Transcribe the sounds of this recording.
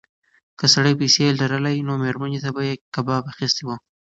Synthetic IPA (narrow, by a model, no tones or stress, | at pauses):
kəsaɽəjpəjselʈaɾalajinomeɾmanet̪abajekabɑbaxist̪iwu